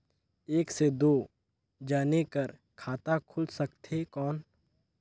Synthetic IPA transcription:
eːksed̪oː | d͡ʒaːnekəɾ | kʰaːt̪akʰʊlsək̚t̪ekɔːn

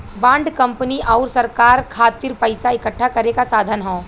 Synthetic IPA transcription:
bãːɳɖkɐ̃mpəniʔɔːɾsɐɾkaːɾkʰaːt̪ɪɾpɐɪsaɪkəʈʰːakɐɾekasaːd̪ʱənɦõː

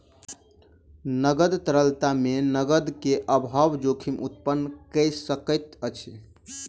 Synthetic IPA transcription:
nəɡəd̪t̪əɾəlt̪amenəɡəd̪keʔəbʱaʋd͡ʒokʰimʔut̪̚pənːkəjsəkət̪ət͡ʃʰi

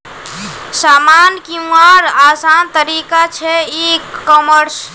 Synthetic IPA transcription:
samankiũaɾasant̪əɾikat͡ʃʰɛikɔməɾs

